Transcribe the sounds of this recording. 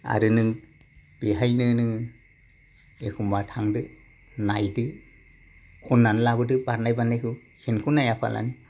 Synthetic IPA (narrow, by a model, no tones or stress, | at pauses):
a̰ɾɯnɯŋ | b̥eɦajnɯnɯ | ekʰumbatʰaŋdɯ | najdɯ | kʰunːanlabɯdɯbaɾnajbanajkʰɯ | kʰenkʰunajapʰa̰lʔa̰nɯ